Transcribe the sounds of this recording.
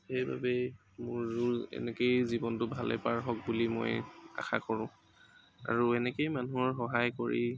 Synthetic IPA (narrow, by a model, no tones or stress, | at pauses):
xejba̰bɛ | mʊɹːuɹɛ̰nɛkejzibɔntʊbʱalɛ̰paɹɦɔk̚bulimo̰ja̰xʰakɔɹʊ̃ | a̰ɹuɛnɛkejmanuɔɹxɔɦajkoɹḭ